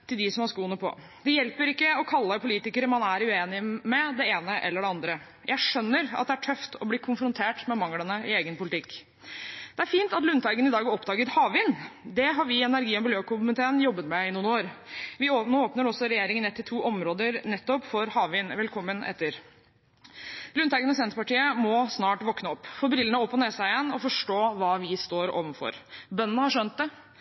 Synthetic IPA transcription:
t̪ʰɪld̪ɪsɔmhɑsʂkuːənəpʰɔ̰ | d̪̥ɛjɛlpəɾɪkːəɔkʰɑlːəpʊliːt̪ɪkəɾəmɑnæɾʉeːnɪmɛd̪ɛeːnəʔɛ̰lːəɖɛɑnd̪ɾə | jʔæɪʂœnːəɾɑ̰t̪̚d̪ɛæʈʰœft̪ɔbliːkʰʊnfɾʊnt̪ʰeːʈmɛmɑŋlənəɪeːɡənpʊlɪt̪ʰɪkː | d̪̥ɛæɾfiːnt̪ɑt̪lʉnt̪ʰɑɪɡənɪd̪ɑːɡɔpd̪ɑːɡət̪hɑːʋɪnd̪ɛɦɑɾʋɪɛnæɾɡiːɔmbɪljøːkʊmənt̪ʰeːnjɔbːət̪mɛɪnuːnoːɾʋɪonːoːpnəɾɔsːɔɾɛjeːɾɪŋənɛt̪ʰːɪt̪ʰuːʔɔmɾoːd̪əɾnɛt̪ːɔpfɔɾhɑːʋʋɪnʋɛlkʰɔmːənʔɛ̰t̪ːəɾ | lʉnt̪ɑɪɡənɔs̬ɛnt̪əpɑʈiːəmɔsnɑːʈʋɔknəɔpːfoːbɾɪlənəɔpːɔneːsæɪjɛnːɔfɔʂʈoːʋɑːʋɪst̪oːɾo̰ːʋənfɔ̰ɾbœnːənəhɑʂœnt̪̚d̪ɛ

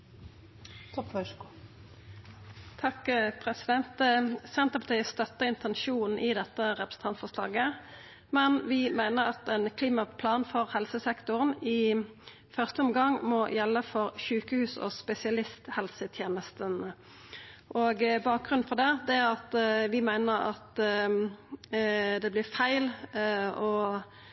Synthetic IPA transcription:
t̪ʰɑkpʰɾɛsɪd̪ɛnt̪sɛnt̪əpɑt̪ʰiəst̪œt̪ːəɪnt̪ʰɛnʃuːnn̩ɪd̪ɛt̪ːəʁɛpɾəsn̩t̪ʰɑnt̪sfɔslɑ̰ːɡə | mɛnʋɪmæɪnəʁɑt̪ɛnkʰliːmɑpʰlɑːnfɔʁhɛlsəsɛkt̪ʊʁənɪ | fœʁst̪əɔmɡɑŋmɔjɛlːəfɔʁʃʉːkəhʉːsɔ̰spɛsɪɑlɪst̪hɛlsət̪ʰjeːnəst̪ən | ʔoːɡbɑːk̚ɡʁʉnn̩fɔʁd̪ɛːd̪ɛæɑt̪ʋɪmæɪnəɾɑ̰t̪ | d̪ɛblɪʁfæɪl | ɔ

